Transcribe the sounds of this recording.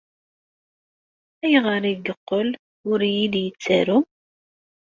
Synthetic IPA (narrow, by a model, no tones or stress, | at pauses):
æjʁəɾiɡəqːəl | ʊɾjiljət͡sːæɾu